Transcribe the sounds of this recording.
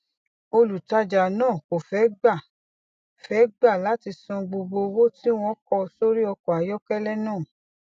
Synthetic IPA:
o˧lu˨ta˧d͡ʒa˨nãː˦˨ko˨fɛ˨˦ɡ͡ba˦˨ | fɛ˨˦ɡ͡ba˦˨la˨˦ti˧sɔ̃˧ɡ͡bo˧ɡ͡bo˧wo˦ti˦w̃ɔ̃˦kɔ˧so˦ɾi˦ɔ˧kɔ˨a˨˦jɔ˦kɛ˦lɛ˦nãː˦˨

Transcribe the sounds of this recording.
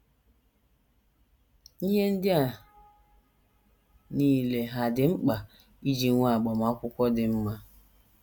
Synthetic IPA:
i˦ɦe˦n̩˦dɪ˦a˨ | niː˦˨le˨ɦa˨dɪ˨ŋ͡m̩˦k͡pa˨ | i˦d͡ʒi˨˦ŋʷa˦˨a˨ɡ͡bɔ˨ma˦kʷʊ˦kʷɔ˦dɪ˨m̩˦ma˦

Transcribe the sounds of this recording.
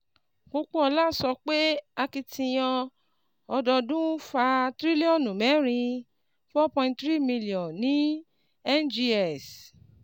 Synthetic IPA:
ko˧k͡po˦ɔ˧la˦˨sɔ˧k͡pe˦a˧ki˧tʰĩ˧j̃ɔ̃˧ | ɔ˧dɔ˧dũ˦fa˧tɾi˦li˦ɔ̃˦˨nũ˨mɛ̃˨˦ɾ̃ĩ˧ | fɔ˦pɔ̃˧ĩ˧nttɾi˦mĩ˧li˨ɔ̃˨nĩ˦ | ɛ˦nd͡ʒi˧ɛ˨s

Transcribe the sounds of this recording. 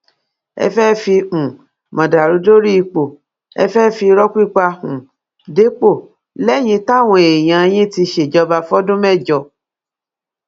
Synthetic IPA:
ɛ̰˧fɛ˦fi˧ũ˨ | mã˨da˨ɾu˨˦do˦ɾi˦i˧k͡po˨ | ɛ̰˧fɛ˦fi˧ɾɔ˦kʷi˦˨k͡pa˧ũ˨ | de˨˦k͡po˦˨ | lɛ˦˨j̃ĩ˧ta˦˨w̃ɔ̃˧˨e˨j̃ã˧e˧j̃ĩ˦ti˧ʃe˨d͡ʒɔ˧ba˧fɔ˦dũ˦mɛ˦˨d͡ʒɔ˧˨

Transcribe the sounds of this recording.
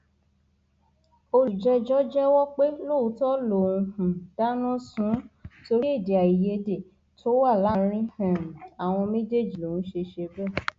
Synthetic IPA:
o˧ɾi˨d͡ʒɛ˦d͡ʒɔ˦d͡ʒɛ˦wɔ˦k͡pe˦lo˦˨u˨˦tɔ˦lo˨ũ˧hũ˨da˦nɔ̃˦sũ˨˦to˧ɾi˦i˦˨de˨a˨i˨je˧de˨ | tʰo˦wa˦˨la˨˦ɾ̃ĩ˦hɛ̃˨m̩˨a˨w̃ɔ̃˧mẽ˦d͡ʒe˦˨d͡ʒi˨lo˨ũ˦ʃe˧ʃe˧bɛ˦˨

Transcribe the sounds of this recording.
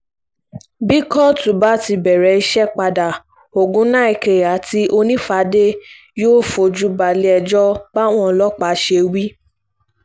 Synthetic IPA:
bi˦kɔ˦˨tũ˨ba˨˦ti˧bɛ˨ɾɛ˨˧i˧ʃɛ˦k͡pa˧da˨ | o˨ɡũ˦nã˦i˨ke˨a˨˦ti˧˦ʔo˧nĩ˦fa˨˧˦de˦ | joː˦fo˧˨d͡ʒu˦ba˨le˦ɛ˧d͡ʒɔ˦ba˦w̃ɔ̃˦˨lɔ˦k͡pa˨˦ʃe˧wi˦

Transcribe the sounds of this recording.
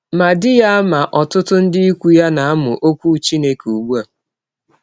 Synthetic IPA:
ma˨dɪ˦ja˦ma˨ʔɔ˨tʊ˦tʊ˦n̩˦dɪ˦i˦kʷu˦ja˦na˨a˦mʊ˨ʔo˦kʷu˦t͡ʃi˦ne˦ku˨ɡ͡bu˦a˨

